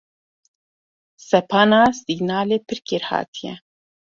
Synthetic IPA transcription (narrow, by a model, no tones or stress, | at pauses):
sɛpʰɑːnaːsiɡnaːleːpʰɨɾkeɾhɑ̰ːt̪ʰijɛ̰